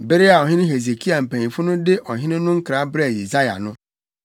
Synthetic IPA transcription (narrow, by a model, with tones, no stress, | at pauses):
be˦ɾi˦a˨ɔ˨ɦɪ˦nɪ̃˦ɦe˨ze˨kʰi˦a˨m̩˨pã˨nĩ˨fʊ˦nʊ̃˦dɪ˦ʔɔ˨ɦɪ̃˦nɪ̃˦nʊ̃˦ŋ̩˦kɾa˨˦bɾe˦˨je˨za˦ja̰˨nʊ̃˦